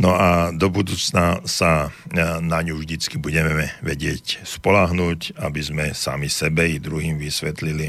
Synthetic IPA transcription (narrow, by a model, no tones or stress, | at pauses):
nɔad̪ɔbud̪uːt͡snasa | naɲuʒd̪it͡skibuɟɛɛʋɛɟɪɛcspɔlaɦnuːcabizmɛsa̰misɛbɛid̪ɾuɦiːmʋisʋɛt̪lili